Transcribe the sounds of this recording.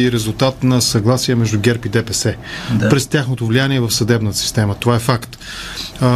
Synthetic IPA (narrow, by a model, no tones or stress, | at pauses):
iɾɛzulˠt̪at̪nɐsɐɡlˠasiɛmɛʒd̪ʊɡʲɛɾpid̪ɛpɛsɛ | pɾɛst̪ʲjaxnot̪ovlijaniɛvɐfsɐd̪ɛbnət̪ə̥si̥st̪ɛmət̪ovaɛfakt̪